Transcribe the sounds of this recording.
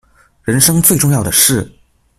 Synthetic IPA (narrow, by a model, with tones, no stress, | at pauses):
ɻə˧˥nʂɤ˥ŋt͡swe˥˧ɪʈ͡ʂʊ˥˧ŋjɑ˥˩ʊd̪ə˩ʂɻ̩˥˩